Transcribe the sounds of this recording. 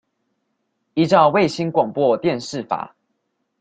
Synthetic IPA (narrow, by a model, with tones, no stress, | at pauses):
i˦ʈ͡ʂɑ˥˨ʊwe˥˨ɪɕi˦nkwa˨˩ŋpwɔ˥˨t̪jɛ˥˨nʂɻ̩˥˨fa̰˨˩˦